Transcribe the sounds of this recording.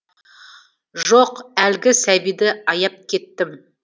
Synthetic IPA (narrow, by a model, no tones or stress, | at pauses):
ʒoqælɡʲɪsæbijd̪ɪɑjɑp̚kʲʰe̞t̪ːɪm